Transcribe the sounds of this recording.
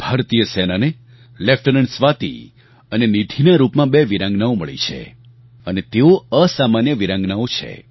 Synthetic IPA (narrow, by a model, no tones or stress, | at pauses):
b̥ʱaːɾt̪ijəsɛnane | lɛfʈənəɳɖsʋat̪ḭ | ənenid̪ʱinaɾupmãbeʋiɾãŋɡnaoməɭḭt͡ʃʰḛ | ənet̪eoəsamanjəʋiɾãŋɡnaot͡ʃʰḛ